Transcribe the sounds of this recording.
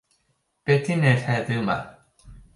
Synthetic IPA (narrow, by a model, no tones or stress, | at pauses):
pet̪ʰiːnat̪ʰɛːt̪ɯma̰